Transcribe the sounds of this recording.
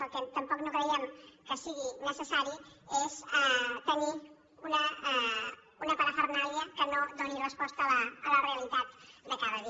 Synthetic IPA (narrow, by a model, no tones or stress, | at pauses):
əlkɛt̪əmpɔknokɾəiɛmkəsiɣ̞inəsəsaɾiezɛt̪əni | unə | unəpəɾəfəɾnaɾjəkənod̪onirəspɔst̪əːləreəlit̪at̪̚d̪əkaðəði